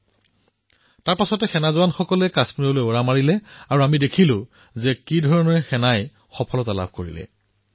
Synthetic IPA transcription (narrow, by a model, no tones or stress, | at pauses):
taɹpasɔtɛxɛnazʊwanxɔkɔlɛkasmiɹɔlojoɹamaɹilɛaɹuamidekʰilʊ̃ | zɛkidʱɔɹɔnɔɹɛxɛnaj | xɔpʰɔlɔtala̰bʱkoɹḭlɛ̰